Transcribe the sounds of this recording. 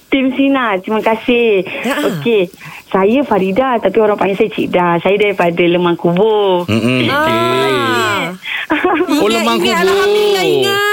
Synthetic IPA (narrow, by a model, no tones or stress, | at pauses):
t̪imsinat̪ɾimakasɪhhoke | sajəfaɾidat̪apioɾaŋpaɲasajt͡ʃḭʔdasajədaipadələmaŋkubo | aasa | oləmaŋkubaaisaj